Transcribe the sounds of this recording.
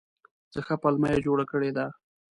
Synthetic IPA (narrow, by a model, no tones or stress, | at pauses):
z̥əxapalmajad͡ʒoɽakəɽed̪a